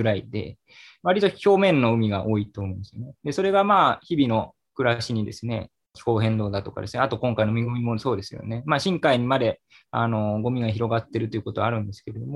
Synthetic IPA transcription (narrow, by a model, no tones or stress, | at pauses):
ɡɯ̟ɾaid̪e̞̰ | βaɾʲit̪oçʲo̞ːmẽ̞nːo̞ɯ̟mʲiɡaʔo̞ːit̪oːmõĩnd̪esɨjo̰ned̪e̞so̞ɾe̞ɡamaːçibʲino̞ | kɯ̟ɾaɕiɲ̟id̪e̞̰sɨne̞̰ | kʲi̥ho̞ːɦẽ̞nd̪o̞ːd̪at̪o̞ka̰d̪e̞sɨneat̪o̞kõ̞ŋkaino̞mʲiɡɯmʲimo̞so̞ːd̪e̞sɨjo̞̰ne̞maːɕĩŋkaiɲ̟imad̪e̞ | a̰no̞ɡo̞mʲiɡaçiɾo̞ɡat̪ːe̞ɾɯ̟t̪o̞iɯ̟kot̪o̞βaɾɯ̟̃nd̪e̞sɨ̥ke̞ed̪omo